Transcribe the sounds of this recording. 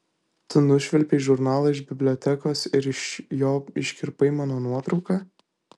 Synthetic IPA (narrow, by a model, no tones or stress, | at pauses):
t̪ʊnʊʃʲʋʲɛlʲpʲeːʒʊɾnɑːlˠɐɪʒbʲɪbʲlʲoːt̪ʲɛkoːsɪɾɪʃjoːɪʃʲkʲɪɾpɐɪmɑːnoːnuɔt̪ɾɒʊkɑː